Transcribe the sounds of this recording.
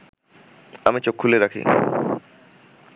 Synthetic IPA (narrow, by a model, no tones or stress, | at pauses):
amit͡ɕokʰːuleɾakʰḭ